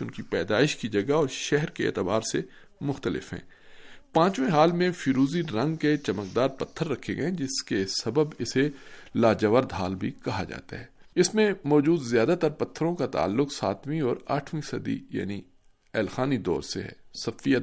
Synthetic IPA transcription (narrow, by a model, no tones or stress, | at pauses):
ʊnkipɛːd̪aːɪʃkid͡ʒɐɡaɔːɾʃɛɦɾkeḛːt̪ɪbaːɾse | mʊxt̪əlɪ̰fɦɛ̰̃ː | pãːt͡ʃwẽɦaːlmẽfiːɾuːziɾɐ̃ŋɡket͡ʃɐməkd̪aːɾpɐt̪ʰːəɾːɐkʰeɡɐẽd͡ʒɪskesɐbəbɪselaːd͡ʒəʋəɾd̪ɦaːlbʱikɐɦad͡ʒa̰ːt̪a̰ɦɛːɪsmẽmɔːd͡ʒuːd̪zjaːd̪at̪ɐɾpɐt̪ʰːəɾõkat̪a̰ːlːʊksa̰ːt̪wĩɔːɾa̰ːʈʰwĩsɐd̪ḭja̰ːni | ɛːlxaːnid̪ɔ̰ːɾsḛɦɛ̰ːsɐfija